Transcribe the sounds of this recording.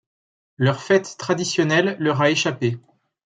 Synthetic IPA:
lœʁfɛt̪ːχad̪isjɔnɛlːœʁaeʃape

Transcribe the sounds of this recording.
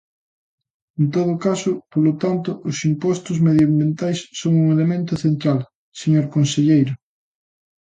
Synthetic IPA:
ent̪oðʊkasʊpolot̪ant̪ʊʔʊsimpɔst̪ʊzmeðjambjent̪ajsːoŋuŋelemẽnt̪ʊθent̪ɾal | seɲoɾkonseʎejɾʊ

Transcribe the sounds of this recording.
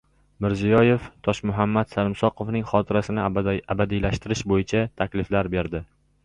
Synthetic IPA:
mɪɾzijɒje̞ft̪ʰɒʃmʊɦamːat̪salɪmsɒqʰovnɪŋχɒt̪ʰɪɾasɪnɪabad̪ijlaʃt̪ɪɾɪʃbojɪt͡ʃʰat̪ʰakʲlɪflaɾbe̞ɾd̪ɪ

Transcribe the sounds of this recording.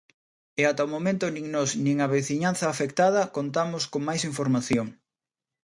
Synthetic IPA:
ɪat̪ɐomomẽnt̪ʊnĩŋnɔsnĩŋɐβeθiɲanθɐːfekt̪að̞ɐkont̪amʊskoŋmajsiɱfoɾmaθjoŋ

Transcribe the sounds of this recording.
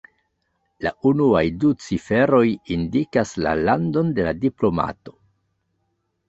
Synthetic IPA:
laʔunuajdut͡sife̞ɾo̞jindikasla̰lando̞nde̞ladiplo̞ma̰to̞

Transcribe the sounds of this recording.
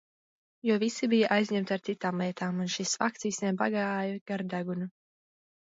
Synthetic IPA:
juɔvisibijaʔajzʲɲɛmt̪ʲaɾt̪sit̪aːmlˠɛɛt̪ʰaːmunʃisfak̚t̪siːsnʲɛmbaɡaːjaɡ̥aɾd̪aɡunu

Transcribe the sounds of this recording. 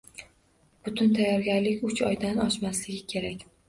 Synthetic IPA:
b̥ʊt̪ʰʊnt̪ʰajːɒɾɡʲaɾlɪkʲʊt͡ʃɒjd̪anɒʃmaslɪɡʲɪkʲʰe̞ɾakʲ

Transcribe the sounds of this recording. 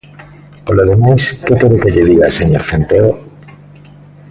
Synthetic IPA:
koloðemajskekeɾokeʎeðiɣaseɲoɾθent̪eo

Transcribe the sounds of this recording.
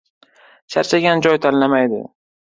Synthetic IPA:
ʃaɾt͡ʃʰaɡʲand͡ʒɒjt̪ʰanlamajd̪ɪ̰

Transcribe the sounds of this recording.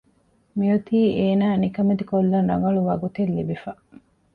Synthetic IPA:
mijut̪iːʔeːnaːnikɐmed̪ikolːɐnɾɐŋɡɐɭuʋɐɡut̪elːibifɐʔ

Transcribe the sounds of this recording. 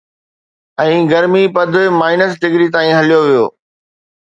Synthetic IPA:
ɛ̃ːɡɐɾmipɐd̪̆ʱmaːɪnəs̬ɖɪɡɾit̪aːĩɦɐlijoʋijoː

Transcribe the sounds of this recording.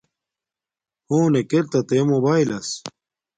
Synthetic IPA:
hoːnekeɾt̪ɐt̪emobaːilɐs

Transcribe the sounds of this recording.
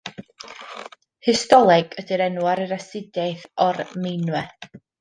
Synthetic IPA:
hɪstɔlˠɛɡ̥ədiɾɛnwaɾəɾasɪdajθɔrmɪjnwɛ

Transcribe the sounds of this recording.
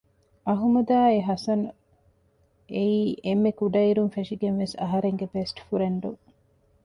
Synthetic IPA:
ʔɐɦumɐd̪aːeɦɐsɐnu | eiːʔemːekuɖɐiɾunfeʂiɡenʋesɐ̰ɦɐɾeŋɡebesʈfuɾeɳɖuŋ

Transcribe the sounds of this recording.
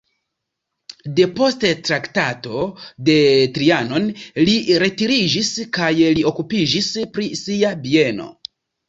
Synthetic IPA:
de̞po̞sttɾaktato̞de̞tɾiano̞nliɾe̞tiɾid͡ʒiskajlio̞kupid͡ʒispɾisiabie̞no̞̰

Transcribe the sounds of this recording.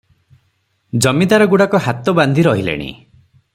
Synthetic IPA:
d͡ʒɔmid̪aɾɔɡuɽakɔɦat̪ɔband̪ʱiɾɔɦilḛɽ̃ḭ

